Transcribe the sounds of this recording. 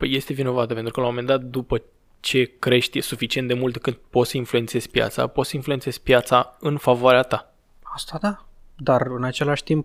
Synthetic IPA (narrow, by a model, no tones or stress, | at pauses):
pəje̞st̪e̞vino̞vat̪əpe̞nt̪ɾukəlawmome̞nd̪at̪̚d̪upə | t͡ʃe̞kɾe̞ʃt̪ʲsufit͡ʃient̪d̪e̞mult̪kɨnd̪po̞t̪səinflue̞nt̪se̞z̥ʲpja̰t̪sa̰pot̪səinflue̞ntse̞z̥ʲpjat̪saɨnfavoaɾeat̪a | ast̪ad̪ad̪arɨnat͡ʃe̞laʃʲt̪imp